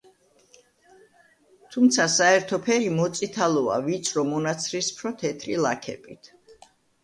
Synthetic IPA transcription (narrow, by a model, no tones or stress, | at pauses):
t̪ʰumt̪sʰasaɛɾt̪ʰɔpʰɛɾimɔt̪sʼit̪ʰalɔa̰vit̪sʰɾɔmɔnat̪sʰɾispʰɾɔt̪ʰɛt̪ʰɾilˠakʰɛ̰bʼit̪ʰ